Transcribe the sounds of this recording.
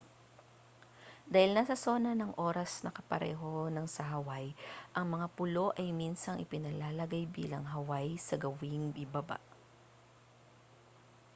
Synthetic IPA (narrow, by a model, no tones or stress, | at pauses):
d̪aːhɪlnasɐso̞ːnɐnɐŋʔo̞ːɾɐsnɐkɐpɐɾɛ̰ːɦo̞nɐŋsɐɦɐwajʔɐŋmɐŋapʊlo̞ʔɐjminsɐŋʔɪpɪnɐlaːlɐɡajbḭːlɐŋɦɐwajsɐɡɐwɪŋbɪbɐba̰ʔ